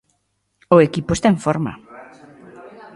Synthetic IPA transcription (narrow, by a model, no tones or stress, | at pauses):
ʊekipʊest̪aeɱfɔɾma̰